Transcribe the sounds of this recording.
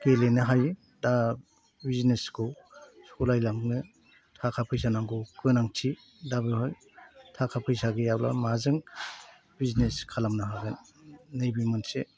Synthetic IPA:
kelenɯɦaj | da | bizneskuw | skulajlamnɯ | tʰakʰapʰɯjsanaŋɡuwkɯnaŋtʰi | dabɯɦɔj | tʰakʰapʰɯjsaɡɯjawla̰mazɯŋ | bizneskʰalamnaɦaɡɯnː | ɯjbimɯnse

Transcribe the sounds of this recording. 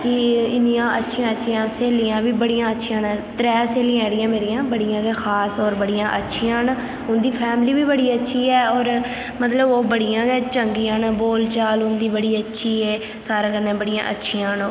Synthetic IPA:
kɪɪnijãːʔətːʃʰijãːətːʃʰijãːseːlijãːbiːbəɽijãːətːʃʰiãːnːt̪ɾɛːseːliãɛːɽɪjãːmeːɾɪjãːbəɽɪjãːɡɛːxʰaːsɔːɾbəɽɪjãːʔətːʃʰijãːn | ʊnd̪iːpʰɛːmliːbiːbəɽiːətːʃʰiːɛːɔːɾ | mət̪ləboːbəɽɪjãːɡɛːt͡ʃəŋɡiːənboːlt͡ʃaːlʊnd̪iːbəɽiːətːʃʰiːɛː | saːɾãːkənːẽːbəɽijã̰ːʔə̰tːʃʰijãːnː

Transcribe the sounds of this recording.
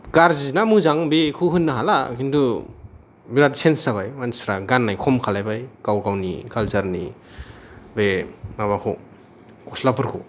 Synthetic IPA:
ɡ̥aɾzizinamuzaŋbekʰuɦɯnːaɦala̰kintʰu | biɾadisensaβajmansɾaɡanːajkʰɔmkʰalajbajɡ̥awɡawnḭkʰalzaɾni | bemaβakʰɔ̰ | kɔslapʰɯɾkʰɔ̰

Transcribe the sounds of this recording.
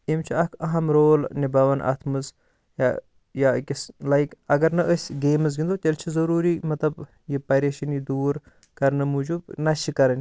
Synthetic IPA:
imt͡ʃʰiɐkʰɐɦɐmɾoːlnibɐʋɐnʔa̰t̪ʰmɨz | ja | jakʲislajkɐɡɐɾnɐʔəsʲɡeːmɨz̬ɡind̪ot̪ʲelt͡ʃʰizɐɾuːɾimɐt̪lɐb | jipɐjɾeʃɐnjid̪uːɾ | kɐɾnɐmud͡ʒubnɐt͡ʃʰikɐɾɐnʲ

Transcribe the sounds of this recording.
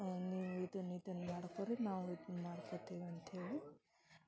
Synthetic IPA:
niːʋuid̪ɐnid̪ɐnːɐmaːɽkoɾenaːʋid̪nmaːɽkot̪eːʋɐnt̪ɦeːɭi

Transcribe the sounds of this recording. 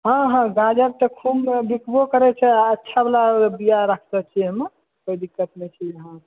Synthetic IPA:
ɦãɦãɡad͡ʒəɾ̚t̪əkʰumbikbokəɾɛt͡ʃʰɛətːʃʰablabijaɾakʰt̪ət͡ʃʰiɦəm | kojd̪ikːət̪met͡ʃʰiəɦã

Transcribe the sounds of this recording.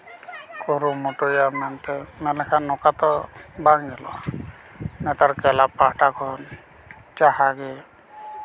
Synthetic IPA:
koɾumɔʈɔjamant̪ɛmɛlɛkʰanɔkat̪ɔbaŋɡɛlɔ̰ | nɛt̪aɾkɛlapaʈakʰɔn | t͡ʃaɦaɡɛ

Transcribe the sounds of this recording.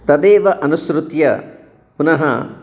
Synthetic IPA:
t̪ɐd̪eːʋɐʔɐnusɾut̪jɐ̰ | punɐɦɐ̰

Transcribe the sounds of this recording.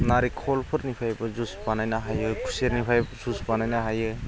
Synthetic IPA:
naɾikʰɔlpʰɯɾnipʰajbɐzusbanajnaɦajɯkʰu̥seɾnipʰajbzusbanajnaɦajɯ

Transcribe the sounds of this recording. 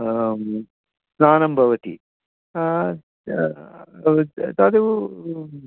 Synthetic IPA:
snaːnɐmbʱɐʋɐt̪ḭ | t̪aːd̪eʋu

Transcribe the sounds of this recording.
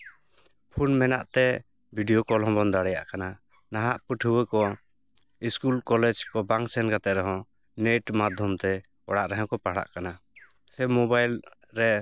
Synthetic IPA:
pʰunmɛna̰ʔt̪ɛ | bʱiɖijɔkɔlɔ̃bɔnd̪aɽɛja̰ʔkana | naɦaʔpəʈʰɦuwəkɔ | iskulkɔlɛd͡ʒkɔbaŋksɛnkat̪ɛʔɾɛɦɔ̃ | neʈmad̪ʱjɔmt̪ɛ | ɔ̰ɽaʔɾɛɦɛ̃kɔpaɽa̰ʔkana | sɛmɔbajl | ɾɛ

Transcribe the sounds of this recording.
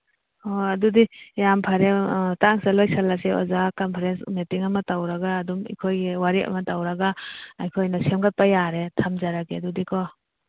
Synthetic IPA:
hɔadudijampʰaɾetaŋsalɔjsalːaseɔ̰zakampʰaɾensmitiŋamɐtawɾaɡaːdumḭkʰojɡewaɾiʔa̰mɐtawɾaɡaːjkʰojnasemɡat̚pajaɾetʰamzaɾaɡedudikʰɔ

